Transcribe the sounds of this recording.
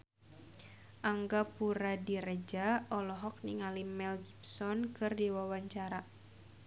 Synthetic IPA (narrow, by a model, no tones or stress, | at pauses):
ʔaŋɡapuɾadiɾɛd͡ʒaɔlɔɦɔk̚niŋalimɛlɡipsɔnkɨrdiwawaɲt͡ʃaɾa